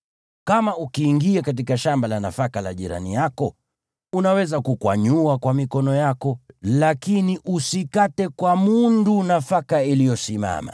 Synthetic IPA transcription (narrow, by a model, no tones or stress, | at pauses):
kamaukiːŋɡiakat̬ikaʃambalana̰fakala̰ʄiɾa̰nḭjakɔ | unawɛzakukwa̰ɲuakwamikɔnɔjakɔlakiniʔusikatɛkwamundunafakailijɔsima̰ma̰